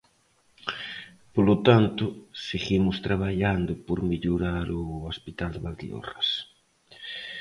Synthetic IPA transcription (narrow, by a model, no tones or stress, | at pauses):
polot̪ant̪ʊseɣimʊst̪ɾaβaʎand̪ʊpoɾmeʎoɾaɾʊospit̪ald̪βald̪ḭo̰ras